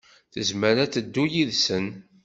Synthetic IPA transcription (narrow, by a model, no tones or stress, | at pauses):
θəzməɾæt͡sːəd̪ːujiðsən